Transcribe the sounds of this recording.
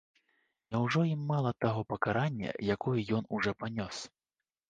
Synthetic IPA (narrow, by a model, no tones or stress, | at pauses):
nʲɛwʐɔimːalˠɐt̪aɣɔpɐkaɾanʲːɐ̰jakɔjɐjɔn̪uʐɔpanʲɔs